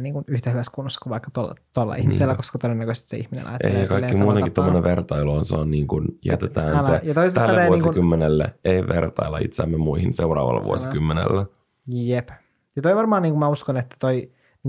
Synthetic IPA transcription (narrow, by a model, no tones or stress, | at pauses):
niːŋkunyht̪æhyʋæskunːoskuʋɑikːɑt̪olːɑ̰t̪ːolːɑ̰ḭhmisselːækoskɑt̪odenːækøst̪sḛḭhminḛnʔɑ̰jt̪ːḛjɑkɑikːkimuːeŋkit̪omːoneʋʋert̪ɑiloonsḛonniːŋkunjæ̰t̪et̪æːnsejjɑt̪oisest̪ælːt̪eːuoŋsiukymːenelːḛeiʋḛrt̪ɑ̰ilːɑḭt̪sæmːemuihinsewrɑ̰ːʋɑ̰lːɑ̰ʋṵo̰sikymːenḛlːæ | jep | jɑt̪oiʋɑrmɑːniːŋkumæuskonet̪ːæ̥t̪oi